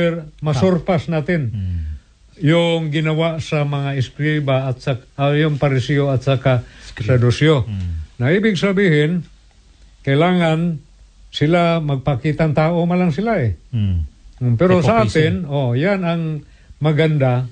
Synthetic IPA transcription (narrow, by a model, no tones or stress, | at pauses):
ɛɾmɐsoɾpasnaːt̪ɪn | jʊŋɡɪnɐwaʔsɐmɐŋaɪskɾibaːt̪sajʊŋpɐɾɪsioɐt̪̚sakasɐd̪ʊsjonɐʔiːbɪɡsɐbiːhɪn | kɐjlaːŋan | sɪlamɐɡ̚pɐkiːt̪aŋt̪aːʔomalaŋsɪlaʔɛ | pɛɾosaʔaːt̪ɪnojanɐŋ | mɐɡand̪a